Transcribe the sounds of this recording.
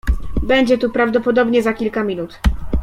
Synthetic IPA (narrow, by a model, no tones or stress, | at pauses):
bɛɲd͡ʑɛt̪upɾavd̪ɔpɔd̪ɔbɲɛzakʲilkamʲinut̪